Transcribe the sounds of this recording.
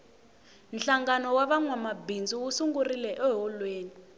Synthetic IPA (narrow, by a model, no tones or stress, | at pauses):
nɬaŋɡanɔwaβaŋwamabind͡zuwusuŋɡurilɛʔɛɦɔlweːni